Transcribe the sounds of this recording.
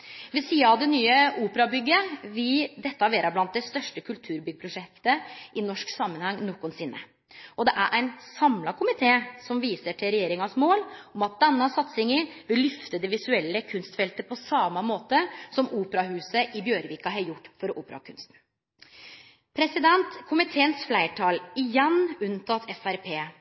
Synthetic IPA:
ʋɛsiːɑɑʋd̪ɛnyːəuːpəɾɑbʏɡːəʋɪld̪ɛt̪ːɑʋeːɾɑblɑnt̪̚d̪ɛst̪œʂʈəkʰʉlt̪ʰʉːɾbʏɡ̚əpʰɾʊʂɛkt̪əʔɪnɔʂksɑmːənhɑŋnɔkːʊnsɪnːə̰ | ɔd̪ɛʔæɾʔæɪnsɑmlɑkʰʊmɪt̪ʰeːsɔmʋiːsəʈʰɪlɾɛjeːɾɪŋɑsmoːlɔmɑt̪̚d̪ɛnːɑsɑt̪sɪŋəʋɪlːʏft̪əd̪ɛʋɪsʉɛlːəkʰʉnst̪fɛlt̪əpʰɔsɑmɑmoːt̪əsɔmuːpəɾɑɦʉːsəʔɪbjøːɾʋiːkɑɦɑjʊʈːfɔɾɔʔuːpəɾɑɑ̰kʰʉnst̪n̩ | pʰɾɛsɪd̪ɛnt̪kʰʊmɪt̪ʰeːənsflæɪʈʰɑːlɪjɛnːʉnt̪ʰɑt̪ʰɛfæɾpʰeː

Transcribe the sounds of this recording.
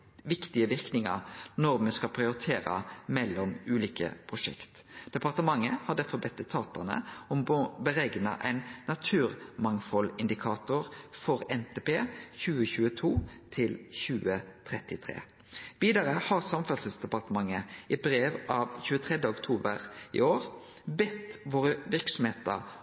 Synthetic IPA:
ʋɪkt̪ɪəʋɪʁknɪŋə̰ʁnɔʁmɛskɑlpʰʁɪʊɾɪt̪ʰeːɾɑ̰mɛlːɔmʉːliːkə̰pʰʁʊʃɛ̰kt̪ | d̪̥ɛpɑʁt̪əmɑŋːəhɑd̪æfɔbɛt̪ːət̪ʰːɑːt̪əɑnə̰ɔmbəɾɛɡnɑ̰ʔæɪnːɑt̪ʰʉːʁmɑŋfɔlɪnd̪ɪkʰɑːt̪ʊʁfɔʁɛnt̪ʰeːpeːçʉːəçʉːət̪ʰuːt̪ʰɪlçʉːət̪ʰʁɛt̪ɪt̪ʰʁḛː | ʋiːd̪ɑʁəhɑʁsɑmfɑsəsd̪ɛpɑʁt̪əmɑŋːəʔɪbɾeːʋɑʋçʉːət̪ʰʁɛd̪əʊkt̪ʰuːbə̰ʁɪ̰oːʁ | bɛt̪ʋoːʁəʋɪɾksɔmheːt̪ə̰

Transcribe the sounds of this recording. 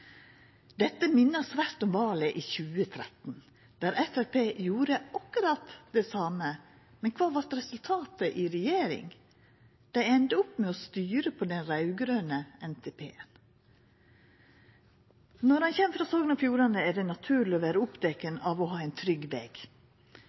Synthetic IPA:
d̪ɛt̪ːəmɪnːəsʋæɾt̪ɔmʋɑːlɛʔiːçʉːət̪ʰɾɛt̪n̩ | d̪̥æːɾʔɛfælpeːjuːɾəɑkːʉɾɑt̪d̪ɛsɑːmə | mɛnkʰʋɑːʋɑɾt̪ɾɛsʉlt̪ʰɑːt̪əʔɪɾɛjeːɾɪ̰ŋ | d̪̥æɪɛnd̪əɔpːmɛɔst̪yːɾəpʰɔd̪ɛnɾɑʉɡɾøːnəɛnt̪ʰɛpʰḛːən | nɔɾhɑnçɛmːfɾɑːsoːɡənɑfjuːɾɑnəæɖɛnɑt̪ʰʉːɭɪɔʋæːɾəʊpd̪ɛkənɑʋɔɦɑːɛɪnt̪ʰɾʏɡʋɛ̰ɡ̥

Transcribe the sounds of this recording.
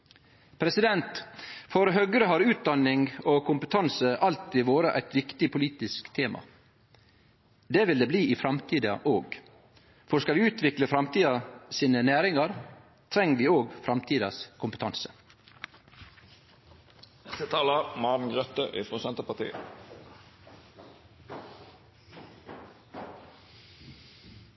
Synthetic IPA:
pʰɾɛsɪd̪ɛnt̪fɔɾɦœɡəɾəɦɑɾʉːt̪̚d̪ɑnɪŋokʰʊmpət̪ʰɑnsəʔɑlt̪ɪʋoːɾəʔæ̰ɪt̪ʋɪkt̪ɪpʰʊliːt̪ɪskt̪ʰeːmʔɑ̰ | d̪eːʋɪld̪eːbliːiːfɾɑmt̪ʰiːd̪ɑ̰ʔoːɡ | fɔɾskɑlʋiːʉːt̪ʰʋɪkləfɾɑmt̪iːɑsiːnənæːɾɪŋɑɾ | t̪ʰɾɛŋəʋiːoːɡfɾɑmt̪ʰiːd̪ɑskʰʊmpət̪ʰɑnsə̥ | ɛksət̪ʰɑːləmɑːnn̩ɡʁœt̪əʔɪːfosɛnt̪əpɑt̪ḭːə

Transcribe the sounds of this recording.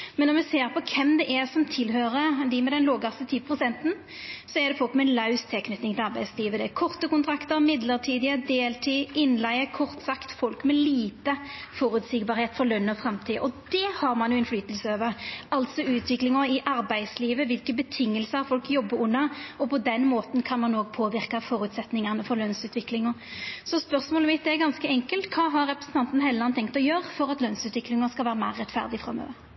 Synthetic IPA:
mɛnːɔɾmɛseːɾpʰɔkʰɛmd̪ɛʔɛʁsɔmt̪ʰɪlɦøːɾəd̪ɪmɛd̪ɛnloːɡɑst̪ət̪ʰiːpʰʁʊsɛnt̪n̩ | sɔɛʁd̪ɛfɔoːkmɛnlɑʉst̪ʰɛlkʰnʏt̪ɪŋt̪ɪlɑɾʁbæɪd̪sliːʋəd̪ɛækʰɔʁt̪əkʊnt̪ʰɾɑkt̪əɾmɪd̪ləʁʈʰiːd̪ɪəd̪eːlt̪ʰiːʔɪnlæɪəkʰɔʁt̪sɑkt̪fɔlkmɛliːt̪əfɔːɾʉd̪sɪɡbɑːɾheːt̪fɔlœnːɔfʁɑmt̪ʰiːəʔɔd̪ɛhɑʁmɑnjʊɛnflyːt̪əlsəøːʋəʁɑlt̪sɔʉːt̪ʰʋɪklɪŋəɪʔɑɾbæɪd̪sliːʋəʋɪlkəbət̪ʰɪŋːəlsəhɑɾfɔlkjɔbːəɾʊnːɑɔpɔd̪ɛnːmoːt̪nkʰɑnmɑnoːɡ̚pʰoːʋɪʁkɑfɔːɾʉt̪sɛt̪nɪŋənəfɔɾlœnsʉːt̪ʋɪklɪŋɔsɔspœʁsmoːləmɪt̪̚d̪ɛæɾɡɑnskəɛŋkəlt̪kʰɑːɦɑɾːɛpɾəsn̩t̪ʰɑnt̪n̩ɦɛləlɑnt̪ʰɛŋk̚t̪ɔjøːɾəfɔɾɑt̪lœnsʉːt̪ʋɪklɪŋəskɑlʋæːɾəmæɪʁːɛt̪fæ̰ʁd̪ɪfʁɑ̰mø̰ːʋəɾ

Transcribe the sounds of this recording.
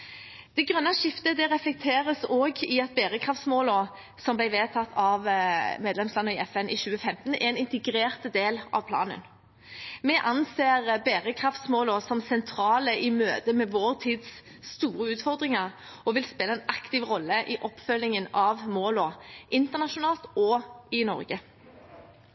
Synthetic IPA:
d̪̥ɛɡʁœnːɑʂɪft̪əd̪ɛʁɛflɛk̚t̪ʰeːʁəsoːɡɪɑt̪̚beʁəkʰʁɑft̪smoːlɔ | sɔmblæɪʋeːt̪ʰɑt̪ʰːɑʋmeːd̪lɛmslɑnːəɪɛfɛnʔɪɕʉːəfɛmt̪nɛɾɛnɪnt̪ɛɡɾeːʁt̪d̪eːlʔɑ̰ʋpʰlɑ̰ːnə̰n | mɛʔɑnseːʁbeːʁəkʰʁɑft̪smoːlɔːsɔmsɛnt̪ʰɾɑːləʔɪmøːd̪əmɛʋoːʁt̪ʰiːd̪s | st̪uːʁəʉːt̪fɔʁd̪ʁɪŋɑʁ | ɔʋɪlspeːləɛːnʔɑkt̪ɪʋʁɔlːəʔɪʔɔpːfœlːɪŋənɑʋmoːlɔːʔɪnt̪əʁnɑʃʊnɑːlt̪ɔɪnɔ̰ʁɡə

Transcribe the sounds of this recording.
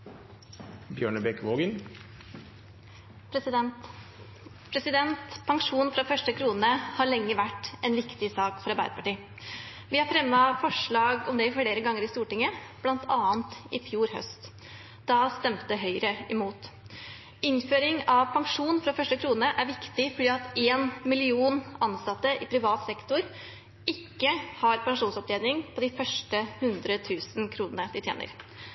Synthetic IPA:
bjøːɳəbɛkʋoːɡən | pʰɾɛsɪd̪ɛnt̪ | pʰɾɛsɪd̪ɛnt̪pʰɑŋʂuːnfɾɑfœʂʈəkʰɾuːnəhɑɾɭɛŋːəʋæʈːʔɛnʋɪkt̪ɪsɑːkfɔɾɑɾbæ̰ɪɾəpʰɑʈiː | ʋɪhɑɾfɾɛmːɑfɔʂɭɑːɡɔmd̪ɛɪfleːɾəɡɑŋːəɾɪst̪uːʈɪŋːəb̥lɑnt̪ʰɑːnt̪ɪfjuːɾhœ̰st̪ | d̪̥ɑst̪ɛmt̪əɦœʏɾəɛmuːt̪ | ɪnføːɾɪŋɑʋpʰɑŋʂuːnfɾɑfœʂʈəkʰɾuːnəʔæɾʋɪkt̪ɪfɔɖiːɑt̪eːnmɪlɪuːnɑnsɑt̪ːəʔɪpʰɾɪʋɑːt̪sɛkt̪ʊɾ | ɪkːəhɑɾpɑŋʂuːnsɔp̚d̪eːd̪nɪŋpʰɔd̪ɪfœʂʈəhʉnd̪ɾət̪ʰʉːsnkʰɾuːnənəd̪ɪt̪jḛːnə̰ɾ

